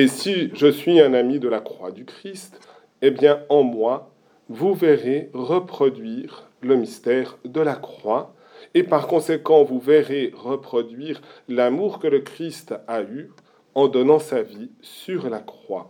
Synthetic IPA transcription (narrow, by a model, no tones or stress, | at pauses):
esiʒəsɥiɛ̃namid̪əlakχwad̪ykχist̪ | ebjɛ̃ɑ̃mwa | vuvɛʁeʁəpχɔd̪ɥiːʁ | ləmist̪ɛːʁd̪əlakχwa | epaʁkɔ̃sekɑ̃vuvɛʁeʁəpχɔd̪ɥiːʁlamuʁkələkχist̪ay | ɑ̃d̪ɔnɑ̃savisyʁlakχwa̰